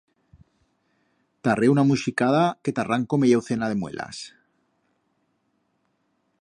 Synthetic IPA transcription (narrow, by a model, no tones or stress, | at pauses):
t̪areunamuʃikaðake̞t̪araŋkomejawθenað̞e̞mwe̞̰lʔa̰s